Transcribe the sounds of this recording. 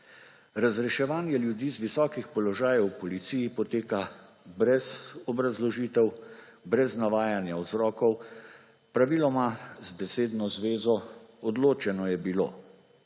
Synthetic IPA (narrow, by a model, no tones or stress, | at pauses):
ɾazɾɛʃɛʋaːnjɛljud̪iːzʋisɔːkixpɔlɔʒaːjɛwpɔlit̪siːjipɔt̪eːka | bɾɛzɔbɾazlɔʒiːt̪ɛw | bɾɛznaʋaːjanjawzɾɔːkɔw | pɾaʋiːlɔmazbɛseːd̪nɔzʋeːzɔɔd̪loːt͡ʃɛnɔjɛbilo̰ː